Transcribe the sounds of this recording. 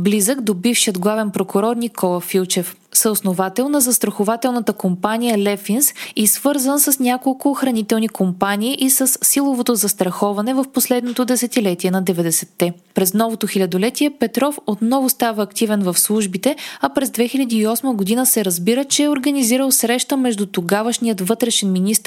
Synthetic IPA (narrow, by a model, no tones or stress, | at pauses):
blizəɡd̪obifʃijəd̪ɡlˠavɛnpɾokʊɾɔɾnikʰɔlˠəfilˠt͡ʃɛf | səosnovat̪ɛlˠnɐzɐst̪ɾɐxʊvat̪ɛlˠnət̪əkompanijəlɛfinsisvɤɾzənsəsnʲakolˠkʊxɾɐnit̪ɛlˠnikompanʲiːʔisəsːilˠovot̪ozɐst̪ɾɐxɔvɐnɛvɐfposlɛd̪not̪od̪ɛsɛt̪ilɛt̪iɛnɐd̪ɛvɛd̪ɛsɛt̪ːɛ | pɾɛznɔvot̪oxilʲɐd̪olɛt̪iɛpɛt̪ɾɔfot̪nɔvʊst̪avəːkt̪ivɛnvɐfslˠuʒbit̪ɛɐpɾɛzd̪vɛxilʲɐd̪iːɔsməɡod̪inəsɛɾɐzbiɾət͡ʃɛɛoɾɡɐniziɾəlˠsɾɛʃt̪əmɛʒd̪ut̪oɡavəʃniət̪vɤt̪ɾɛʃɛnminist̪ɾ